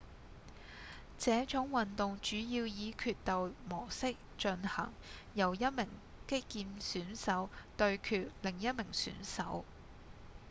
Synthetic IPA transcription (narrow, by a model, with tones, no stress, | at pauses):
t͡sɛː˨˥t͡ʃʊ˨˥ŋwɐ˨nt̪ʊ˨˧ŋt͡ʃyː˨˥jiː˧wjiː˨˧kʰyː˧t̚t̪ɐ˨wmɔː˨˩sɪ˥k̚t͡ʃɵ˧nhɐ̰˨˩ŋjɐ˨˩wjɐ˥t̚mɪ˨˩ŋ | kɪ˥kːiː˧nsyː˨˥nsɐ˨˥wt̪ɵ˧ɥkʰyː˧t̚lɪ˨˩ŋjɐ˥t̚mɪ˨˩ŋsy̰ː˨˥nsɐ̰˨˥w